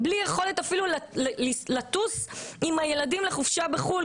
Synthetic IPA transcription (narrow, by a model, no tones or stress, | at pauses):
blijeχo̞let̪afilullilatusimhaje̞ladimleχufʃabeχul